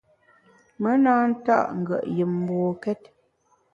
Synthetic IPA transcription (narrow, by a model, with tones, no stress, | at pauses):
mə˦naː˦n̩˦ta̰˦˨ʔŋ̩˨ɡə̰˨ʔjə˨mm˨bɔː˨kɛ˦t̚